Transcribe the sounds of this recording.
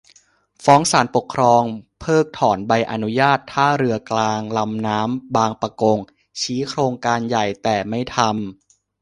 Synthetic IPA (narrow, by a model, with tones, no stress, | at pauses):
fɔː˦˥ŋsaː˩˦npo˨˩kʰɾɔː˧ŋpʰɤː˥˩k̚t̪ʰɔː˩˦nba˧jʔa˧nu˦˥jaː˥˩t̪ʰːaː˥˩ɾɯ˧ɐklaː˧ŋla˧mnaː˦˥mbaː˧ŋpa˧ko˧ŋ | t͡ɕʰiː˦˥kʰɾoː˧ŋkaː˧nja˨˩jt̪ɛː˨˩ma˥˩jt̪ʰa˧m